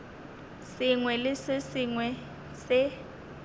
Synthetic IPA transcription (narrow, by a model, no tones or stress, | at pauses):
sɪŋwɛlɪsɪsiŋwɛ | sɪ